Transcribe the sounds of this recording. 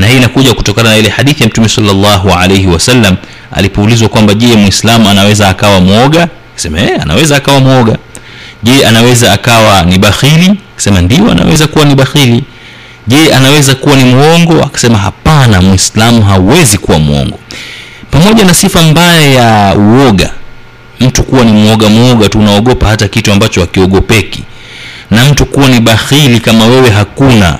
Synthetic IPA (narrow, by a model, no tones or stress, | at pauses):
nahiinakuʄaku̥tɔkananailɛħaɗiθijam̩tumɛsalːalːaɦua̰lejhiwasalːam | a̰lipɔːlizwakwambaʄɛmwislamuanawɛzaːkawamuɔɠa | kḁsɛmaɛa̰na̰wɛzaːkawamuɔɠa | ʄɛanawɛzaːkawaniɓaxiliakḁsɛmandijɔa̰na̰wɛ̰zakuwaniɓaxili | ʄɛanawɛzakuwanimuɔŋɡɔa̰kḁsɛmaɦa̰panamwislamuɦauwɛzikuwamuɔ̰ŋɡɔpamɔʄanasifambajɛjauwɔɠa̰ | m̩tukuwanimuɔɠamɔɠatuːnaɔɠɔpahatakituambat͡ʃɔakiɔɠɔpɛki̥̰ | nam̩tukuwaniɓaxilikamawɛwɛɦakuna̰